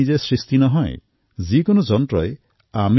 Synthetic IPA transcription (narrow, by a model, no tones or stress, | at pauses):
id͡ʒesɾist̪inɔɦɔ̃ḛ | zikɔnɔd͡ʒɔntɾɔje | ami